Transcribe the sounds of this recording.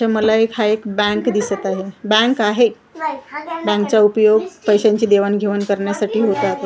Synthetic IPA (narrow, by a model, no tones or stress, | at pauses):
aməlaekhaekbɛ̃ŋkd̪isət̪aɦebɛ̃ŋkaɦe | bɛ̃ŋkt͡ɕaupjoɡpəjɕãɲt͡ɕid̪eʋənɡʱeʋənkəɾɳjasaʈʰiːɦot̪at̪